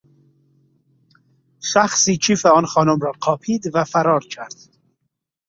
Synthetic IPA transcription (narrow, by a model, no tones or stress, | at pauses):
ʃæxsiːt͡ʃʰiːfeɒːnxɒːnomɾɒːqʰɒːpʰiːd̪væfæɾɒːɾt͡ʃʰæɾd̪̥